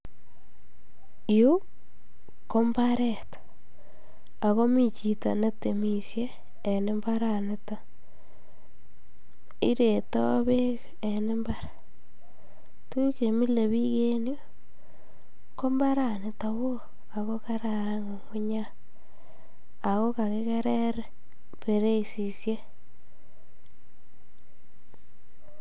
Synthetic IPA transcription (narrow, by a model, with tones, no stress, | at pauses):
jo˦ | ko˦mbaɾe˦tḁ | a˨ɣo˦mi˦t͡ʃi˨ta̰˨ne˦te˨mi˨sjeː˦˨ | ne˦mba˦ɾa˨ne˦ta˦ | ḭ˦ɾe˨to˦βe˦ɣ | e˨ne˦mba˦ɾa | tu˦ke˨mi˦le˨βi˦ke˦njo˦ | ko˦mba˦ɾa˨nɪ˨ta˨βo˦ | a˨ko˦ka˦ɾa˨ɾa˦ŋo˨ŋʊ˦ɲa˦ | a˨ko˦ka˨ke˦ke˦ɾe˦ɾe˦ | pe˨ɾe˦˨si˨sje˦